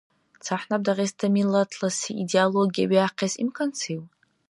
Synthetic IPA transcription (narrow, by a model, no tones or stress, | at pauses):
t͡sʰaħnab̚daʁʲestʰamilatʰlasiidealoɡʲiaɥiaqʲʰasḭmkʰant͡sʰejw